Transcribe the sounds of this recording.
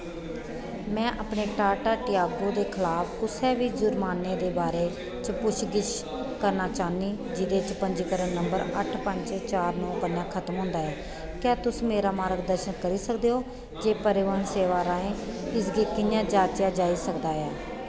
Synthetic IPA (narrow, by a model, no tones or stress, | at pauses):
mɛ̃ːʔaːpneːʈaːʈaːʈɪjaːɡoːd̪eːkʰɪlaːpʰkʊsɛːʋiːd͡ʒʊɾmaːnːeːd̪eːbaːɾeː | t͡ʃpʊʃɡɪt͡ʃ | kəɾnaːt͡ʃaːniː | d͡ʒɪd̪eːt͡ʃpəɲd͡ʒkəɾənːəmbəɾəʈʰpəɲd͡ʒt͡ʃt͡ʃaːɾnɔ̃ːkənjãːkʰət̪mɦʊ̃ːnd̪aːɛː | kãːt̪ʊsmeːɾaːmaːɾɡd̪əɾʃənkəɾiːsəkd̪eːɦoː | d͡ʒeːpəɾɪʋaːɳseːʋaːɾaːẽːɪsɡeːkɪɲjãːd͡ʒaːt͡ʃjãːd͡ʒaːiːsəkd̪aːjaː